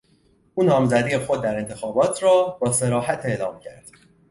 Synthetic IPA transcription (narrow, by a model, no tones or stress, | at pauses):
ʔuːnɒːmzæd̪iːexo̞d̪̚ːæɾe̞nt̪ʰe̞xɒːbɒːt̪ʰrɒːbɒːse̞ɾɒːɦæt̪ʰe̞ʔlɒːmcʰæ̰ɾd̪̥